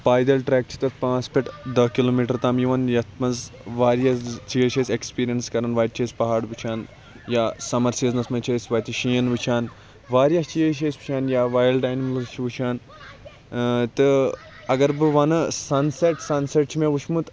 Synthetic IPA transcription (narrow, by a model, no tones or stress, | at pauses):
paːjd̪ɐlʈɾeːk̚t͡ʃʰi̥t̪ɨpãːt͡speʈd̪ɐkiloːmiʈɐɾt̪aːmjiʋɐnjɐt̪ʰmɐnzʋaːɾjɐt͡ʃieʃesʲekspiːɾijɐnskɐɾɐnʋaːjt̪̚t͡ʃʰɐːsʲpɐɦaːɽʋɨt͡ʃʰaːn | jaːsɐmɐɾsʲjɐznɐsmɐ̃t͡ʃʰeːsʲʋɐːjt̪iʃijɐnʋɨt͡ʃʰaːn | ʋaːɾjɐst͡ʃijeʃ̬esʲʋɨ̥t͡ʃʰaːnjaːʋaːjlʈaːjnmlɨzt͡ʃʰiʋɨt͡ʃʰaːn | t̪ɨ | ɐɡɐɾbɨʋɐnɨsɐnseʈsɐnseʈ̚t͡ʃʰimẽʋuʃʰmut̪